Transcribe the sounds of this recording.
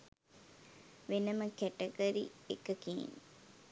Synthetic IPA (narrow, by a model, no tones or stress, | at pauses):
ʋenəməkæʈəɡəɾḭekəkḭːn